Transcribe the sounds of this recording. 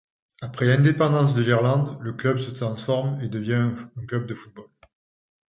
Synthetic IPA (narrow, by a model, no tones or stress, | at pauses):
apχɛlɛ̃d̪epɑ̃d̪ɑ̃s̬d̪əliʁlɑ̃d̪ləklœbsət̪χɑ̃sfɔʁmed̪əvjɛ̃ɛ̃klœb̚d̪əfut̪̚bɔl